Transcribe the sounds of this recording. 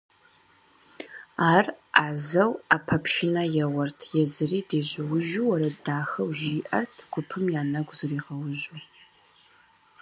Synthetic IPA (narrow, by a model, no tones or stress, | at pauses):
aːraːzɐwaːpʰɐpʰʃɪnɐjɛwɐrtʰjɛzɨriːdeːʑɪwʊʒuwɐɾɐdaːxɐwʒiːʔɐ̰rtʰɡʷʊpʰɨmjaːnɐɡʷzɨriːʁɐwʊʒu